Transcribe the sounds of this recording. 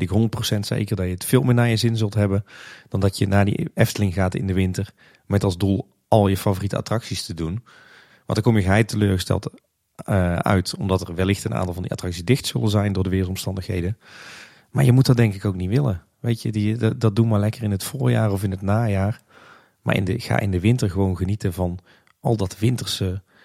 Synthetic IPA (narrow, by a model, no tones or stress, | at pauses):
ɪkɦɔndət̚prowsɛntsḛjkərdɑjəətfɪːlˠmɪːnaːjəzɪnzɵlˠtɦɛbənd̥ɑndɑtjənaːdḭʔɛftəlɪŋɣaːtɪ̰ndəʋɪntər | mɛtɑlˠzdulˠ | ɑlˠjəfavoːritəa̰trɑksistədun | ʋɑ̰ntəkɔmjəɣəɦɛjtəløːɹɣəstɛ̰lˠt | œ̰ɥtɔmdɑtərʋɛlɪxtənʔa̰ːntɑlˠvɑndiʔa̰trɑksisdɪxtsɵlənzɛjndʊːɹdəʋɪːrəlˠtɔmstɑndəxɦḛjdə | maːɹjəmut̚dɑt̚dɛŋkɪkowknitʋɪlə̰ | ʋejtjədidɑt̚dutmaːɹlɛkərɪnətfʊːɹja̰ːrɔvɪnɦətnaːjaːr | ma̰ːɹʔɪ̰ndəɣa̰ːʔɪ̰ndəʋɪntəɹɣəʋownɣənitəvɑn | ʔɑlˠdɑtʋɪntəɹsə